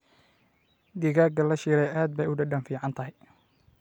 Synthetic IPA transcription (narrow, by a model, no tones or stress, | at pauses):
d̪ɪɣaːɡɐlɐʃiːɾɛjʔaːd̪̚bɛjʊɖɐɖɐnfiːʕɑnt̪ʰɐɦɛj